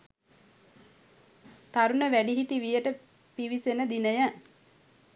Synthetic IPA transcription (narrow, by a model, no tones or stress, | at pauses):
t̪aɾunəʋæɖiɦiʈiʋijəʈə | piʋisenəd̪inəjə